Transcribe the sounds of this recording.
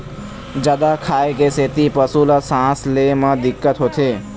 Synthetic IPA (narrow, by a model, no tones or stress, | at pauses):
d͡ʒad̪akʰaːekeseːt̪ipəsuləsãːsleməd̪ɪkːət̪ɦoːt̪ʰeː